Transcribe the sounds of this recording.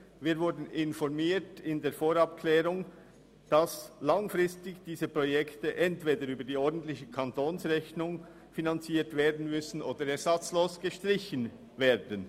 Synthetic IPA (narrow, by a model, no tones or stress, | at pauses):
viːɾvʊɾdn̩ɪnfɔɾmiːtɪndeːfoːɾɑpkʰlɛːɾʊŋ | d̥ɑslɑŋfʁɪstɪçd̥iːzəpʁojɛktəʔɛntv̥eːdəɾyːbədiːɔɹdn̩tlɪçəkʰɑntoːnsʁɛçnʊŋ | finɑnt͡siːtveːɐdn̩mʏsn̩ʔoːdəɾɛɾzɑt͡sloːsɡ̥əʃtʁɪçən | veːdən